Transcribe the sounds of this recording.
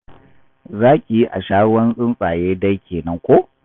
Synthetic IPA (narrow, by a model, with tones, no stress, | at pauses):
zaː˦kʲʼi˨ji˦ʔa̰˨ʃaː˦wɐ˦nsʼɪ˦nsʼaː˨jeː˦dɐ˦jkʲeː˨nɐ˦ŋkʷo˦